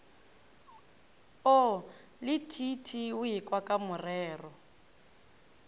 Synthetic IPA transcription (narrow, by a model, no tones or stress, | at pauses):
ɔ | lɪtʰitʰiʊikʼwakʼamʊrɛːrɔ